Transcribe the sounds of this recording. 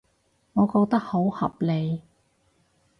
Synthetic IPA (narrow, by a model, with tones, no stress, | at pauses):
ŋɔː˨˧kɔː˧k̚t̪ɐ˥k̚ho˨˥whɐ̰˨p̚le˨˧j